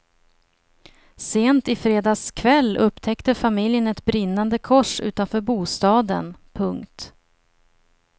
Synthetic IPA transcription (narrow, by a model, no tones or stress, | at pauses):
seːnt̪ɪfɾeːd̪ɑːskʰvɛlːɵpːt̪ʰɛkt̪əfamɪljənɛt̪bɾɪnːand̪əkʰɔʂʉ̟̰ːt̪anfœːɾbuːst̪ɑːd̪ə̰npʰɵŋkt̪